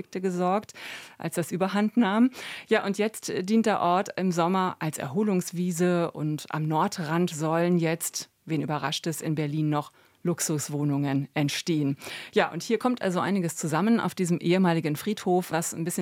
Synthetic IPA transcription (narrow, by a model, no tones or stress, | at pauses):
ɪk̚təɡəzɔɐktʔa̰lsd̥asʔyːbɐɦantnaːmjaːʔʊntjɛt͡std̥iːnt̚d̥eːɐʔɔɐtɪmzɔmɐʔalsɛ̰ɐɦoːlʊŋsv̥iːzəʊ̰ntʔa̰mnɔɐtʁantz̥ɔlənjɛt͡st | veːnʔy̰ːbɐʁa̰ʃtɛsɪnbɛɐliːnːɔχ | lʊksʊsv̥oːnʊŋənʔɛntʃteːənjaːʔʊnthiːɐkʰɔmtʔa̰lzoʔa̰ɪnɪɡəst͡suzaməna̰ʊfd̥iːzəmʔeːəmaːlɪɡən̩fʁ̥iːthoːfvasnbɪsçə